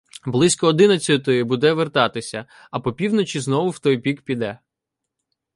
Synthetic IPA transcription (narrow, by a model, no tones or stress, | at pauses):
blˠɪsʲkɔːd̪ɪnɐt͡sʲɐt̪ɔjɪbud̪ɛʋert̪ɑt̪ɪsʲɐ | ɐpɔpʲiwnɔt͡ʃʲiznɔʋʊwt̪ɔjpʲikpʲid̪ɛ